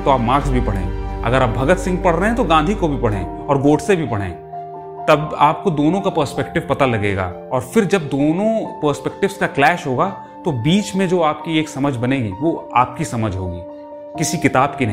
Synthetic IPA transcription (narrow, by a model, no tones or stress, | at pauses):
t̪oaːpmaːɾksbʱipɐɽ̤ḛ̃ːɐ̰ɡəɾaːp̚bʱɐɡət̪sɪ̃ŋɡpɐɽ̤ɾəɦɛ̃t̪oɡãːnd̪ʱikobʱipɐɽ̤ḛ̃ː | ɔːɾɡoːɖsebʱipɐɽ̤ḛ̃ː | t̪ɐbaːp̚kod̪oːnõkapəːɾspɛkʈɪʋpɐt̪alɐɡeːɡa̰ː | ɔːɾfɪɾd͡ʒɐb̚d̪oːnõpəɾspɛk̚ʈɪʋskaklɛːʃɦoːɡaː | t̪obiːt͡ʃmẽd͡ʒoːaːp̚kieːksɐməd͡ʒʱbɐneːɡiʋoaːp̚kisɐməd͡ʒʱɦo̰ːɡḭː | kɪsikɪt̪aːbkinɐ